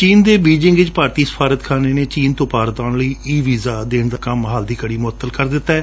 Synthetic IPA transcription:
t͡ʃiːnd̪eːbiːd͡ʒɪ̃ŋɡʋɪt͡ʃpaːɾt̪iːsə̥pʰaːɾət̪kʰaːneːneːt͡ʃiːnt̪õːpaːɾət̪aːnləiːiːʋiːzaːd̪eːɳd̪aːkəmɦaːld̪iːkəɽiːmʊət̪ːəlkəɾd̪ɪt̪ːaːɛː

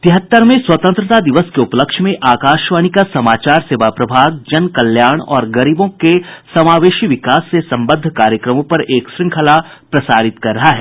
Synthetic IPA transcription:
t̪ɪɦət̪ːəɾmẽswɐt̪ə̃nt̪ɾət̪ad̪ɪʋəskeʊpləkʃmẽʔaːkaːʃʋaːɽ̃ikasɐmaːt͡ʃaːɾseːʋapɾɐbʱaːɡ̚d͡ʒɐnkɐljaːɽ̃ɔ̰ːɾɡɐɾiːbõkesɐmaːʋeːʃiʋɪkaːsːesɐ̃mbəd̪ʱkaːɾjəkɾəmõpɐɾeːkʃɾɪ̃ŋkʰəlapɾɐsaːɾɪt̪kɐɾːɐɦaɦɛː

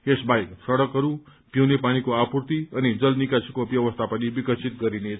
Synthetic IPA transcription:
esbajksʌɽʌkɦʌɾupjiwnepanikoapurt̪iʌnid͡zʌlnikasʰikobjʌbʌst̪ʰapʌnibikʌt͡sʰit̪̚ɡʌɾine

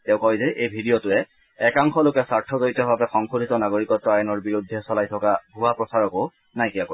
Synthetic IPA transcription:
tɛʊ̃kɔjzɛʔejbʱidijɔtʊɛː | kaŋxɔlokɛsaɹtʰɔzoɹitɔbabɛxɔŋxodʱitɔnaɡoɹikɔtːɔajɔnɔɹbiɹudʱːɛsɔlajtʰɔkabʱuapɹɔsaɹɔko | najkiako

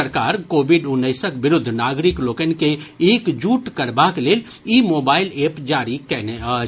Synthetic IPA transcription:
əɾkaːɾkoːbɪɖʊnːəɪsəkbɪɾʊd̪ʱːnaːɡɾɪkloːkənkeeːkd͡ʒuːʈkəɾbakleːl | iːmoːbaːɪleːpd͡ʒaːɾikɛːne

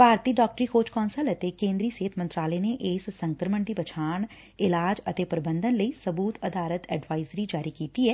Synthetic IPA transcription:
paːɾt̪iːɖɔːk̚ʈɾiːkʰoːt͡ʃkɔ̃ːnsələt̪ekẽːnd̪ɾiːseːt̪ʰmə̃nt̪ɾaːlɛːneʔeːsːə̃ŋkɾəməɳd̪iːbət͡ʃʰaːɳ | ɪlaːd͡ʒət̪eːpəɾɪbə̃nd̪ənləiːsəbuːt̪əd̪aːlət̪ɛːɖʋaːɪzɾid͡ʒaːɾiːkiːt̪iɛː

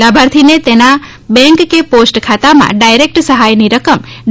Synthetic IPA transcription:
labʱaɾt̪ʰinet̪ena | bɛ̃ŋkːeposʈkʰat̪amã̰ɖajɾek̚ʈsəɦajniɾəkəm | ɖ

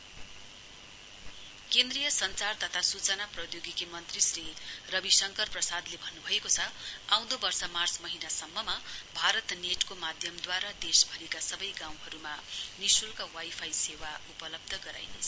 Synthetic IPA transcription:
kend̪rijʌsʌnt͡sart̪ʌt̪ʰasut͡sʌnaprʌd̪joɡikemʌnt̪risrirʌbisʌŋkʌrprʌsad̪lebʱʌnːubʱʌekot͡sʰʌaw̃d̪obʌrsʌmart͡smʌɦinasʌmːʌmabʱaɾʌt̪neʈkomad̪ʱjʌmd̪waɾad̪esbʱʌɾikasʌbʌjɡãw̃ɦʌɾumanisulkawajpʰajsewaupʌlʌb̚d̪ʱʌɡʌɾa̰jnesʰʌ

